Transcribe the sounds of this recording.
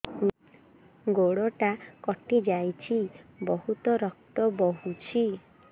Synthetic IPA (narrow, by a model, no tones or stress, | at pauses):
ɡoɽɔʈakɔʈid͡ʒajt͡ʃʰibɔɦut̪ɔɾɔk̚t̪ɔbɔɦut͡ʃʰi